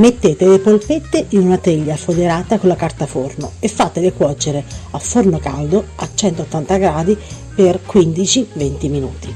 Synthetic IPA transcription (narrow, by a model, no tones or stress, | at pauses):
met̪ːeːt̪elepolpet̪ːeʔinunat̪eʎːafod̪eɾaːt̪akonlakart̪afornoefːaːt̪elekwɔːt͡ʃːeɾeafːornoka̰ld̪oat͡ʃːɛnt̪ot̪ːant̪aɡɾaːd̪i | perkwind̪it͡ʃivent̪iminṵːt̪i